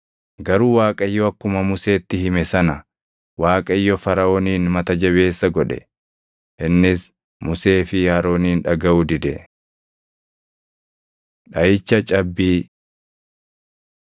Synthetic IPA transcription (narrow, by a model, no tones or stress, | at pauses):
ɡɐɾuːwaːkʼɐɪjːɔɐkːʊmɐmʊse̞ːt̪ːɪɦɪmɛsɐnɐ | waːkʼɐɪjːɔfɐɾɐoːniːnmɐt̪ɐd͡ʒɐβe̞ːsːɐɡɔᶑɛ̰ | ʔɪnːɪs | mʊse̞ːfɪjaːɾo̞ːniːnᶑɐɡɐʔud̪ɪd̪ɛ | ᶑɐjɪt͡ʃːɐt͡ʃʼɐbːiː